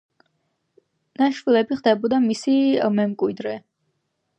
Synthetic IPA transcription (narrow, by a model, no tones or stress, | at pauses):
naʃvilɛbiχd̪ɛbɔd̪amisimɛmkʼwid̪ɾɛ